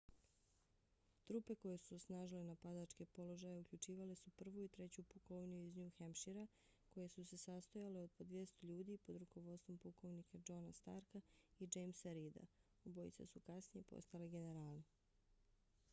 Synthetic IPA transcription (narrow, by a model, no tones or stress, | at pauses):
t̪ɾupe̞ko̞jesuosnaːʒilenapad̪at͡ʃke̞po̞lo̞ʒaje̞ukʎut͡ʃiːʋalesupr̩ʋuit̪ɾe̞t͡ɕupukoʋnijuiznɲuxemʃiɾa | ko̞je̞suse̞sast̪ojaleo̞d̪̚pod̪ʋje̞st̪oʎuːd̪ipo̞d̪ɾuko̞ʋo̞d̪st̪ʋo̞mpuko̞ʋnikad͡ʒo̞nast̪a̰ɾkaid͡ʒejmsɾid̪a̰ | obo̞jḭt̪sa̰sukasnijepo̰st̪aleɡe̞ne̞ɾaːlni